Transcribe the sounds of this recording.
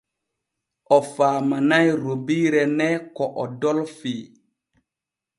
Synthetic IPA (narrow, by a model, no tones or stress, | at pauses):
ʔɔfaːmanajɾobiɾɛnɛkɔʔɔdɔlfiː